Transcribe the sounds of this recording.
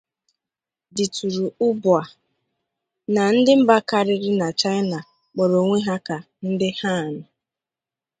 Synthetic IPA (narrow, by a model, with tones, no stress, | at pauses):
di˨tu˨ɾu˨ʊ˦bʊ˨a˨ | na˨n̩˦dɪ˦m̩˦ba˦ka˦ɾɪ˦ɾɪ˦na˨t͡ʃa˦ɪ˦na˨ | k͡pɔ˨ɾo˨ŋʷe˦ɦa˦ka˨ | n̩˦dɪ˦ha˦˨nʊ˨